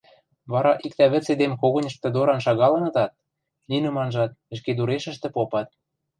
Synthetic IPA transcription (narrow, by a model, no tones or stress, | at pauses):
βɑɾɑʔik̚t̪æβə̆t͡sed̪emkoɣɤ̆nʲə̆ʃt̪ĕd̪oɾɑnʃɑɣɑlɤ̆nɤ̆t̪ɑt̪̚ | nʲinə̆mɑnʒɑt̪̚ə̆ʃ̬ked̪uɾeʃə̆ʃt̪ĕpopɑt̪̚